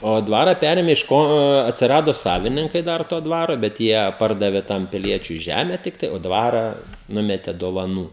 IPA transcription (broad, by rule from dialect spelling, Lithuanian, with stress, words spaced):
oː ˈdʋɑːrɐ ˈpʲæːrʲeːmʲeː ɪʃ ˈkoː ɐtʲsʲɪˈrɑːdoː ˈsɑːʋʲɪnʲɪŋkɐɪ ˈdɐr toː ˈdʋɑːroː bʲɛt ˈjiɛ ˈpɐrdɐʋʲeː ˈtɐm pʲɪˈlʲiɛt͡ʃʲʊɪ ˈʒʲæːmʲɛ ˈtʲɪktɐɪ oː ˈdʋɑːrɐ ˈnʊmʲɛtʲɛ doːʋɐˈnuː